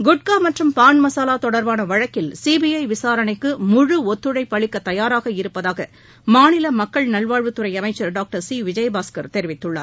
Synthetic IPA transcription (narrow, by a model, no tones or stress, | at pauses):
ɡʊʈ̚kaːmɐʈrɯmpaːɳmɐsaːlaːt̪ɔɽɐɾʋaːnɐʋɐɻɐkːɪlsiːbijɐɪʋɪsaːɾɐnɐɪkːɯmʊɻɯɔt̪ːɯɽɐɪpːɐɭɪkːɐt̪ːɐjaːɾaːɣɐɪɾɯpːɐðaːɣɐ | maːnɪlɐmɐkːɐɭnɐlʋaːɻʋɯt̪ːɯɾɐɪɐmɐɪt͡ʃːɐɾɖaːk̚ʈɐɾsiːʋɪd͡ʒɐjbaːskɐɾt̪ɛɾɪʋɪt̪ːɯɭːa̰ːɾ